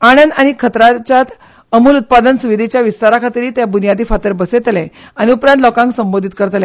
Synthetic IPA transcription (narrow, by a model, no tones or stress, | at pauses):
aɽ̃ənd̪aɽ̃ikʰət̪ɾat͡ɕjat̪ | əmuːlut̪̚pad̪ənsuʋid̪ʱit͡ɕjaʋist̪aɾakʰat̪ɾiːt̪jabunijad̪ʱiːfat̪əɾbəset̪lɛ | añiupɾãnt̪̬lɔkãŋksəmbod̪ʱit̪̚kəɾt̪lɛ